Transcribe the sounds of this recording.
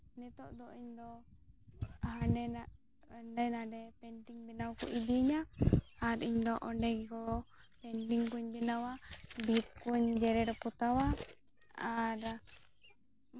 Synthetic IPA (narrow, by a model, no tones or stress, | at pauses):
nɛt̪ɔʔd̪ɔiɲd̪ɔ | haɛa | ɖajnaɖɛpɛɳʈiŋbɛnawkɔʔib̪iəɲaaɾiɲd̪ɔʔɔɳɖɛɡɛkɔ | pɛɳʈiŋkuɲbɛnawabʱip̚kuɲd͡ʒɛɾɛɾɔput̪awa | aɾ